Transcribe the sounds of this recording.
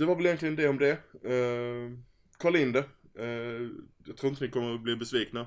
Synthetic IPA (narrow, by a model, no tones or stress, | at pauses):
d̥̪ɛvaɾvɛljɛnt̪klɪɡənd̪ɛɔmd̪ɛ | kʰɑːɭɪnd̪ə | jɑɡt̪ʰɾuːɪnt̪əvɪkʰɔmːəbliːbɛsviːkna